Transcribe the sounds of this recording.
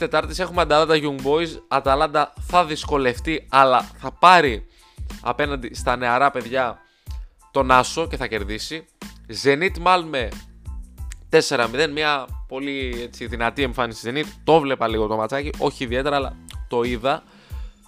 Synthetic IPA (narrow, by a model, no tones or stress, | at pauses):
t̪e̞t̪ɐɾt̪ise̞xumeɐd̪ɐlɐnd̪ɐʝuŋɡbo̞jzɐd̪ɐlɐnd̪ɐθɐðisko̞le̞ft̪iɐlɐθɐpɐɾi | ɐ̰pe̞nɐnd̪ist̪ɐne̞ɐɾɐpe̞ðʝɐ | t̪o̞nɐso̞ce̞θɐce̞ɾðisi | ze̞nit̪imɐlme | t̪e̞se̞ɾɐmiðe̞nmiɐpo̞lie̞t͡siðinɐt̪ie̞ɱfɐnisizenit̪i̥t̪o̞vle̞pɐliɣo̞t̪omɐt͡sɐciʔo̞çiːðie̞t̪e̞ɾɐːlɐ̰t̪o̞iðɐ